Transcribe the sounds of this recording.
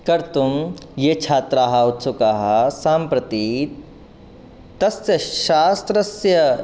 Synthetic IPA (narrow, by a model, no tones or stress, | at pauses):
kɐɾt̪umjet͡ʃʰaːt̪ɾaːɦɐut̪sʰukaːɦɐsaːmpɾɐt̪i | t̪ɐsjɐʃaːst̪ɾɐsjɐ